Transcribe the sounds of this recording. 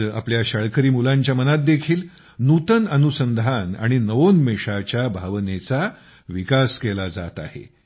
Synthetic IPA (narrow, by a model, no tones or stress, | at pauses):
a̰pljaɕəɭkəɾiːmulaɲt͡ɕjamənat̪̚d̪ekʰiːl | nut̪ənənusənd̪ʱana̰ɽ̃inəʋonmeʂat͡ɕjabʱaʋnet͡sa | ʋikaskelad͡za̰t̪a̰hḛ